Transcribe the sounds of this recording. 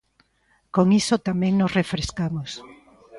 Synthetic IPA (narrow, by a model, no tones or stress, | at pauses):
koŋisot̪amɛ̃ŋnosrefɾeskamos